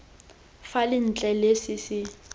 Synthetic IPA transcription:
falɪn̩t͡ɬʼɛlesisɪ

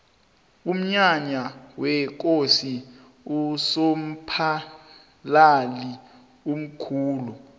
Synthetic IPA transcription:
um̩ɲaɲawɛk̬ʼosi | usom̩pʰa | lali | um̩kʰuːlu

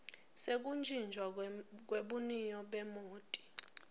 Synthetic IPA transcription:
sek̬ʼund͡ʒʱind͡ʒʱwak̬weɓunijɔɓɛmoːtʼi̥

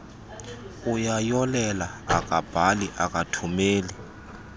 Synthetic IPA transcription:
ujajɔlɛlaa̰k̬ʼab̥ʱaliʔak̬ʼatʰumeːli

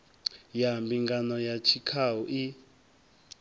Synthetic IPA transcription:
jambiŋɡanɔjat͡ʃʰikʰauʔi

